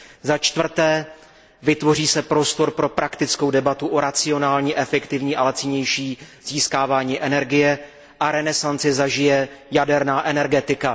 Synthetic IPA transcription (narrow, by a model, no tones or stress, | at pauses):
zat͡ʃt̪vr̩t̪ɛː | vɪt̪vo̞riːsɛpɾo̞st̪o̞ɾpɾo̞pɾʔakt̪ɪt͡sko̞wdɛbat̪uʔo̞ɾat͡sɪo̞naːlɲiːʔɛfɛkt̪ɪvɲiːʔalɛt͡sɪɲɛjʃiːz̥iːskaːvaːɲiːʔɛnɛɾɡɪjɛ | ʔaɾɛnɛsant͡sɪzaʒɪjɛjadɛɾnaːʔɛnɛɾɡɛt̪ɪka